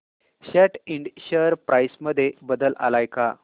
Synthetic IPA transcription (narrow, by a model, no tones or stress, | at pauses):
ɕɛʈiɳɖɕəɾpɾʔajsməd̪ʱːjebəd̪əlʔa̰lajka